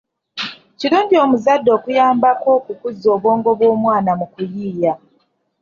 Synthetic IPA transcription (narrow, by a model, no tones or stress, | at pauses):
ciɾuːnɟio̞muzadːo̞ːkujaːmbako̞ːkukuzoːβo̞ːŋɡo̞βwo̞ːmwaːnamukujiːja